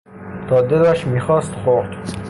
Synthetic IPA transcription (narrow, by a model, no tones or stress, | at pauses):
t̪ʰɒːd̪elæʃmiːxɒːst̪xoɾd̪